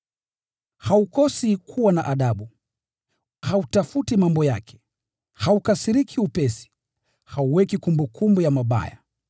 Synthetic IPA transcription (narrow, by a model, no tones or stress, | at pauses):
haukɔsikʰuwanaʔaɗaɓu | hautafutimambɔja̰kʰɛ̥ | haukasiɾikʰiupɛsi̥ | hauwɛkikumbukʰumbujamaɓa̰ja